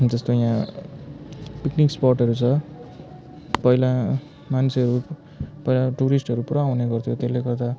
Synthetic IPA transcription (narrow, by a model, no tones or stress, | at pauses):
d͡zʌst̪ojã | pikniksporʈʌɾut͡sʰʌ | pʌila | mant͡sʰeʌɾu | pʌilaʈuɾisʈʌɾupuɾaũneɡʌrt̪ʰjot̪elːekʌrt̪a